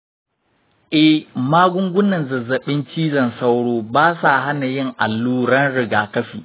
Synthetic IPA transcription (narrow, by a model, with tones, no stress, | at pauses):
ʔɛ˦maː˦ɡʷʊ˦ŋɡʷʊ˦nːɐ˨nzɐ˨zɐ˨ɓɪ˦nt͡ʃiː˦zɐ˨nsa˦wɽoː˦baː˦sa˨ha˦na˨jɪ˦˨ŋʔa˨lːuː˦ɽɐ˦nɽɪ˨ɡaː˨kɐ˦ɸiː˨